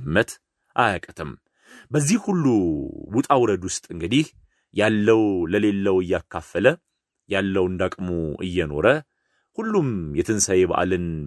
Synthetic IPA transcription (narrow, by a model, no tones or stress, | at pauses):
mːət̪ | ʔajakʼət̪ʰəm | bəzːihhulːuwut̪ʼawɾəd̪wʊst̪ʼɨŋɡɨd̪ih | jalːəwləle̞lːəwɨjːakʰːafːələ | jalːəwɨnd̪akʼmoʔɨ̰jːɛno̞̰ɾə | hulːumjɛt̪ʰɨnsajeβa̰ʔa̰lɨn